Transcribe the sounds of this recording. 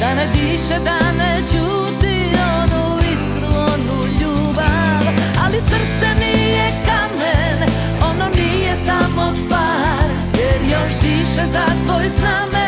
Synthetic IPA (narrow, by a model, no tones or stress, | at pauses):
d̪anɛbiʃɛd̪anet͡ʃu | t̪i | onu | iskɾuonuʎu | baʋalisr̩t̪sɛnijɛkamɛn | ononijɛsamost̪ʋaːɾ | jɛɾjoʃbiʃɛzat̪ʋoːjznamɛ